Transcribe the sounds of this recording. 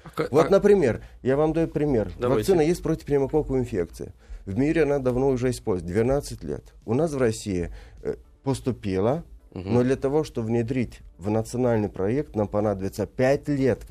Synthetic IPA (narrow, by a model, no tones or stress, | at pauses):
vo̞t̪nəpɾʲɪmʲe̞rjavamd̪ɐjʊpɾʲɪmʲe̞rvɐksɨnəjesʲt̚ʲpɾotʲɪ̥fpɾʲɪmɐkokʊɪnfʲḛk̚t̪sɨ̰jɪ̰vmʲiɾʲɪɐnad̪ɐvno̞ʊʐɛɪspolʲzʲt̚ʲd̪vʲɪnat̪sɨtʲlʲḛt̪ʊnasvrɐsʲːijɪ | pəst̪ʊpʲilˠənod̪lʲət̪ɐvo̞ʂt̪ovnʲɪd̪ɾʲitʲvnət̪sɨɐnalʲnɨjpɾɐek̚t̪nampɐnad̪əbʲɪt̪səpʲætʲlʲe̞t̪